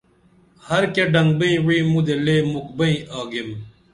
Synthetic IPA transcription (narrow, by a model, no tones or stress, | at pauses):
hɐɾkeɖɐŋɡ̚bɐĩwiĩmũd̪eleːmuk̚bɐĩʔaːɡem